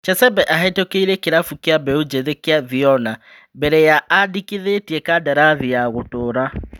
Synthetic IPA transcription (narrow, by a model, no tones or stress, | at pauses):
t͡ʃɛsɛbɛʔaɦɛtokeiɾekeɾafukeabɛod͡ʒeðekeaðiɔna | bɛɾɛjaadikiðetiɛkadaɾaðijaɣotoːɾa